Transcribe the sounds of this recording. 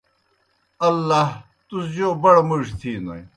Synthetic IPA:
ɐlːɐɦ | t̪usd͡ʑoːbɐɽmuʂt̪ʰinɐ̰j

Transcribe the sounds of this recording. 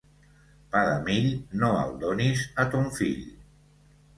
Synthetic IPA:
paðəmiʎnoa̰lˠd̪onizat̪uɱfḭʎ

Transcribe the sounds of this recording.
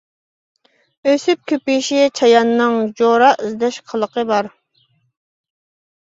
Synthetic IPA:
øsyp̚kʲʰøpiʃit͡ʃʰɑjɑnːɨŋd͡ʒoɾɑizd̪ɛʃqʰəlˠəqəbɑɾ

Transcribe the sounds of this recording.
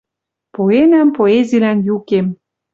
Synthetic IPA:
poenampoezilænjukem

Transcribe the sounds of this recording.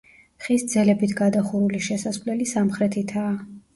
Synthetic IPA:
χisd̪zɛlɛbit̪ʰɡad̪aχuɾuliʃɛsasvlɛlisamχɾɛt̪ʰit̪ʰaː

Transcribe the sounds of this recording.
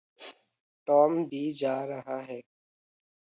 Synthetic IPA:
ʈɔːmbʱiːd͡ʒaːɾəɦaːɦɛː

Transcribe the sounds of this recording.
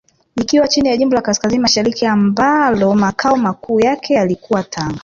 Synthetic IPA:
ikiwat͡ʃinijaʄimbɔlakaskazinimaʃaɾikiambalɔmakʰaɔmakuːjakʰɛjalikʰuwatʰaŋɡa

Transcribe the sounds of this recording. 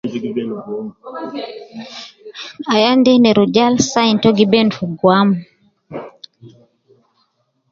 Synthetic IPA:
ajandɛnɛɾud͡ʒalsaintɔɡibɛnfuɡwam

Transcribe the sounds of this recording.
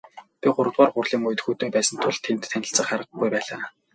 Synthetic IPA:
pʲiɢʊɾə̆t̪waːrɢʊrɮiːŋʊj̆t̪xut̪oːpæːsə̆nt̪ʰʊɮt̪ʰːemt̪ʰːænʲɪ̆ɬt͡sə̆χaɾə̆qɡujpæːɮaː

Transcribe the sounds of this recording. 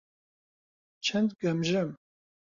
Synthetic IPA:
t͡ʃʰɛnd̪ɡɐmʒɨm

